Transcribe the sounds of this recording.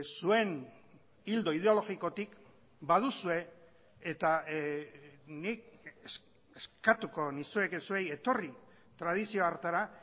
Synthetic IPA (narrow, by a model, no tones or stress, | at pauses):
sue̞n | ild̪o̞ið̞eo̞lo̞ɣiko̞t̪ik | baðusue̞ː | t̪a | nik̚es | eskat̪uko̞nisue̞kesueje̞t̪o̞ri | t̪ɾað̞isio̞aɾt̪aɾa